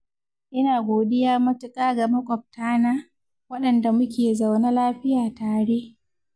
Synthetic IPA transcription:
ʔɪ˦naː˨ɡʷoː˨dɪ˦jaː˦mɐ˦tʊ˦kʼaː˦ɡa˨mɐ˦kʷʼɔ˨p̚taː˦naː˦ | wɐ˦ɗɐ˨nda˨mʊ˦kʲeː˨za˨wna˦laː˦ɸɪ˦jaː˨taː˨ɽeː˦ʔ

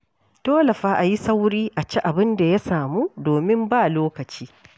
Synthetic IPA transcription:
toː˦lɐ˨ɸaː˦ʔa˨ji˦sa˦wɾiː˦ʔa˨t͡ʃi˦ʔa˨bɪ˦nda˨ja˦saː˨muː˦doː˨mɪ˦mbaː˦loː˦kɐ˨t͡ʃiː˦

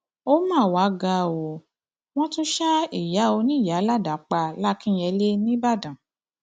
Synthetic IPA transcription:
o˦mãː˦˨wa˨˦ɡa˧o˨ | w̃ɔ̃˦tũ˦ʃa˦i˦˨ja˨˦o˧nĩ˦˨ja˨˦la˦˨da˨˦k͡pa˧la˦kĩ˦jɛ˧le˦nĩ˦ba˦˨dã˨

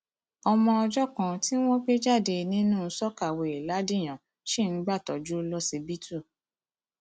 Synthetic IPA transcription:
ɔ˧mɔ̃˧ɔ˧d͡ʒɔ˦kã˧ti˦w̃ɔ̃˦k͡pe˦d͡ʒa˦˨de˧nĩ˦nũː˦˨˧sɔ˦ka˦˨we˨i˨la˨˦di˦˨j̃ã˨ | ʃi˦n̩˦ɡ͡ba˦˨tɔ̰˨d͡ʒu˦lɔ˦si˧bi˦tʰu˦˨

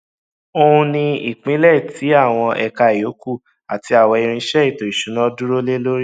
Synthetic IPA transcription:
o˧hũ˧nĩ˧i˨k͡pĩ˨˦lɛ˦˨ti˨˦a˦˨w̃ɔ̃˧ʔɛ˧ka˧i˨o˨˦ku˦˨ | a˨ti˧a˨wɔ˧i˧ɾ̃ĩ˧ʃɛ˦i˦˨to˨i˨ʃu˨˦nã˦du˦ɾo˦le˦lo˦ɾi˦˨

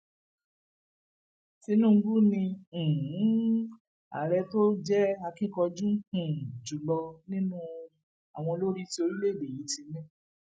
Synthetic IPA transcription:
ti˧˦nũ˦˨˧ɡu˦nĩ˧˨˦ | a̰˨ɾɛ˧to˦d͡ʒɛ˦a˧kĩ˦˨kɔ˧d͡ʒũ˦hũ˨d͡ʒu˨lɔ˧nĩ˦nũ˦ | a˨w̃ɔ̃˧lo˦ɾi˦ti˦o˧ɾi˦le˦˨de˨ji˨˦ti˧nɛ̃˦

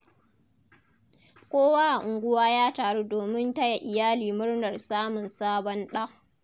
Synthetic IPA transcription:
kʷoː˦waː˦ʔa˨ʔʊ˨ŋɡʷʊ˦waː˦jaː˦taː˨ɽuː˦doː˨mɪ˦nta˦ja˨ʔɪ˨jaː˦liː˨mʊ˦ɽnɐ˨rsaː˦mʊ˨nsaː˦bɔ˦nɗɐ˦ŋ

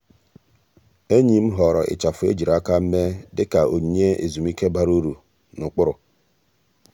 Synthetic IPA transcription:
e˦ɲi˨m̩˦ɦɔ˨ɾɔ˨ʔɪ̰˨t͡ʃa˨fʊ˨ḛ˦d͡ʒi˨ɾa˦ka˦m̩˦me˦dɪ˦ka˨o˨ɲ˨ɲe˦ḛ˨zu˨mi˦ke˦ba˦ɾu˦ɾu˨ | nʊ˨k͡pʊ˦ɾʊ˨

